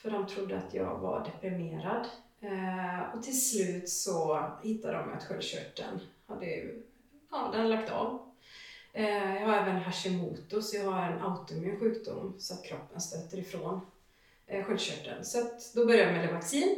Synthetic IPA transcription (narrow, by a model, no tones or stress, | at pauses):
fœɖɔmt̪ʰɾʊd̪ːəat̪ʰjɑ̰ːɡva̰ɾɖɛpɾɪmeːɾad̪ | ɔt̪ʰɪlslʉ̟ːt̪sɔhɪt̪ːad̪əɔm̰a̰t̪ɧœlɕœ̰ʈʰːə̰nhad̪ːəjɵ̰ | ɑd̪ɛnlakt̪ɑ̰v | jɑɡhaɾɛːvənɦaʂɛmuːt̪ʊsjɑhaɾɛnaʊt̪ʊmɪnɧʉ̟ːkd̪ʊ̰mːsɔat̪kʰɾɔpːənst̪øːt̪ːəɾɪfɾoːn | ɧœlɕœ̰ʈːə̰nsɔat̪d̪ɔbœɾjamɛləvaksiːn